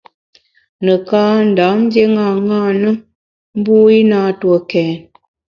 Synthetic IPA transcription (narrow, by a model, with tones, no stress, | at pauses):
nə˨kaː˦n̩˨da˨˦n̩˦dje˦ŋa˦˨ŋa˦nə˦ | m̩˦bu˦i˦na˦˨twə˨kɛ˨n